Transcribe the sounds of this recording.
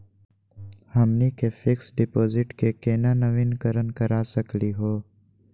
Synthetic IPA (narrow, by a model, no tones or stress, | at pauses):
hɐmnikefʰɪksɖɪpoːzɪʈkekeːnanəʋinkəɾənkɐɾaːsəkliɦoː